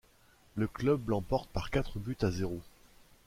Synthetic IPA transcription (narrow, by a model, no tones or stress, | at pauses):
ləklœblɑ̃pɔʁt̪̚paʁkʲat̪χəbyt̪azeʁo